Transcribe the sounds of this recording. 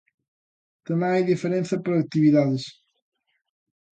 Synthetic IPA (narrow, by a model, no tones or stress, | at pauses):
t̪ɐmẽj̃ajðifeɾẽnθɐpɾoɐt̪iβiðaðɨʃ